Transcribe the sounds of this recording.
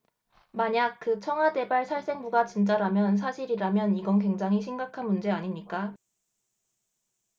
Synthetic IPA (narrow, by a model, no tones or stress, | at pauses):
maɲak̚k͈ɯt͡ɕʰʌŋɦwade̞baɭsʰaɭs͈e̞ŋbuɡat͡ɕint͡ɕ͈aɾamjʌns̬ʰaɕʰiɾiɾamjʌniɡʌnkwe̞ŋd͡ʑaŋɦiɕʰimɡakʰanmund͡ʑe̞aɲimɲik͈a